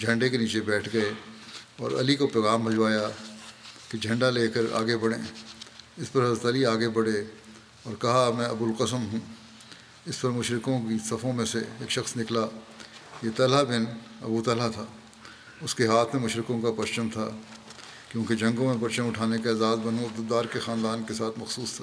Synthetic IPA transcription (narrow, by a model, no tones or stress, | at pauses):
d͡ʒʱɐ̃ɳɖekeniːt͡ʃebɛːʈʰɡɐeɔːɾɐ̰likopɾoːɣaːmbʱɐd͡ʒʋaːja | ked͡ʒʱɐ̃ɳɖaleːkəɾa̰ːɡebɐɽḛ̃ː | ɪspɐɾɦɐzɾət̪ɐliaːɡebɐɽe | ɔːɾkɐɦamɛ̃ɐbʊlqəsəmɦũ | ɪspɐɾmʊʃɾɪkõkisɐfõmẽseeːkʃɐxsnɪkla | jet̪ɐlabɪnɐ̰but̪ɐlat̪ʰaː | ʊskeɦaːt̪ʰmẽmʊʃɾɪkõkapɐʃt͡ʃəmt̪ʰa̰ː | kjõːked͡ʒɐ̃ŋɡõmẽpɐt͡ʃəmʊʈʰaːnekaaːzaːzbɐnõd̪ʊd̪aːɾkexaːnd̪aːnkesaːt̪ʰmɐxsuːst̪ʰḁː